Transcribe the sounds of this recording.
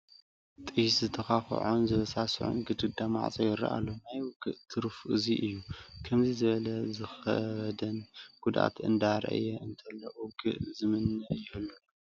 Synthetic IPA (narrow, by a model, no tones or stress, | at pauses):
t̪ʼɨjszɨt̪ʰɐxaxʕonzɨβɐsasʕo̰nɡɨd̪ɨd̪ama̰ʕt͡sʼojɪɾɐ̰ʔa̰lːonajwʊɡɨʔt̪ʰɨɾfʔɨziʔɨjːukʰɐmzizɨβɐlɐzɨxɐ̰d̪ɐnɡ̥ud̪ʔa̰t̪ʰɨ̰nd̪aɾʔɐ̰jɛɨnt̪ʰɐlːɐ̰ʔuɡɨ̰ʔzɨmɨnːɐʔjɪɨlːu